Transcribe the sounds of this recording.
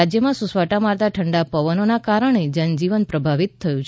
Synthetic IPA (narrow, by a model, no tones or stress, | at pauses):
ad͡ʒjəmãsusʋaʈamaɾt̪aʈʰəɳɖapəʋənonakaɾəɳ̃ed͡ʒənd͡ʒiʋənpɾəbʱaʋit̪ʰːəjũt͡ʃʰ